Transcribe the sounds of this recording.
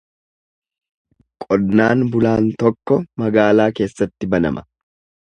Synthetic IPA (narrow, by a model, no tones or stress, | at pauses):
kʼɔdnaːnbʊlaːnt̪ɔkːɔmɐɡaːlaːke̞ːsːɐt̪ːɪbɐnɐ̰mɐ